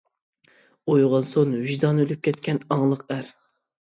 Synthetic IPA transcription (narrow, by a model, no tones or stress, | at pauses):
ojʁɑnsonviʒd̪ɑnølyp̚kʲʰɛt̪kʲɛnɑŋlˠəqæɾ